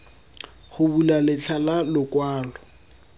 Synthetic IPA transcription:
χʊbulalɪt͡ɬʰalalʊkʼwaːlɔ

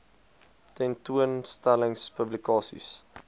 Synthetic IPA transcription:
tɛntuənstæləŋspəblikɑːsḭs

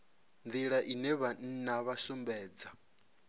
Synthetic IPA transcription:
nd̪d͡z̪iɺaʔinɛβan̩naβasumbɛːd͡za

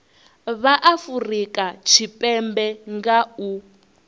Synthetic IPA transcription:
βaʔafurikʼat͡ʃʰipʼɛmbɛŋɡau

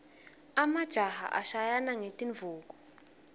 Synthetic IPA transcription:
amad̥ʒ̥ʱaha̰ʔa̰ʃajanaŋetʼiɱvʱuːk̬ʼɔ̥

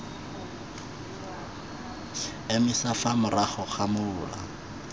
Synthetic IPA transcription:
emisafamʊraχɔχamʊːla̰

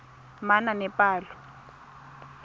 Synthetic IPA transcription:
mananɛpaːlɔ

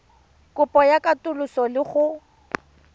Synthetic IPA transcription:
kʼʊpʼɔjakʼatʼʊlʊsɔlɪχʊ

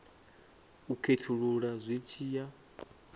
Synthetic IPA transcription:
ukʰetʰuɺuɺazʷit͡ʃʰiːja

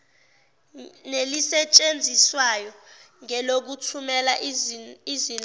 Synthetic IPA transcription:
nelisɛt͡ʃʼend͡zʱiswajɔ | ŋɛlok̬utʰumɛla | izin

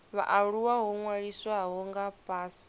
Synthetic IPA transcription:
βa̰ʔaɺuwaɦɔŋwaɺiswaɦɔŋɡapʼaːsi̥

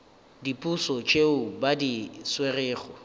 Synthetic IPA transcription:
dipʼusɔt͡ʃʼeʊbadiswerɪːχɔ

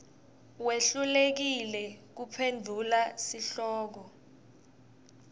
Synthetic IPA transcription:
weɬulek̬ilɛk̬upʰendʱulasiɬɔːk̬ɔ

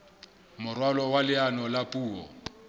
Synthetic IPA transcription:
mʊrwalɔwalɪanɔlapʼuːɔ̰

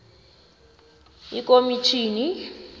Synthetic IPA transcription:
ikʼomit͡ʃʰiːni

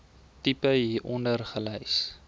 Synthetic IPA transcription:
tipəɦiːʔɔndərχəlɛjs

